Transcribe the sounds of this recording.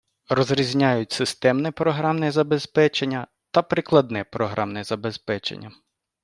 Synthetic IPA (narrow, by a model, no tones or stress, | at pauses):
rɔzɾʲizʲnʲajʊt̚ʲsɪst̪ɛmnɛpɾɔɦɾɑmnɛzɐbespɛt͡ʃenʲːɐ | t̪ɐpɾɪklˠɐd̪nɛpɾɔɦɾʔɑmnɛzɐbespɛt͡ʃḛnʲːɐ